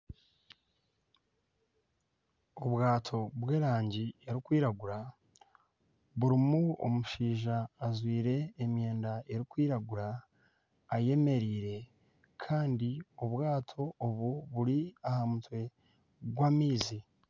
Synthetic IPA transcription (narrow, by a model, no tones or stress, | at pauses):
oβɡaːtʰo̞βwe̞ːɾaːɲɟieɾikwiːɾaɡuɾa | βuɾimuo̰muʃiːʒaːzwiːɾe̞ːmje̞ːndae̞ɾikwiːɾaɡuɾaː | je̞me̞ɾiːɾe̞ | kʰaːndioβwaːtʰo̞ːβuβuɾiahamutwe̞ | ɡwaːmiːzi